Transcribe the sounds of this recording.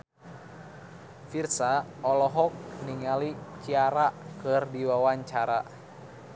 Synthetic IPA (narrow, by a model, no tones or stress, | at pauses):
firsaɔlɔɦɔk̚niŋalit͡ʃiaɾakɨrdiwawaɲt͡ʃaɾa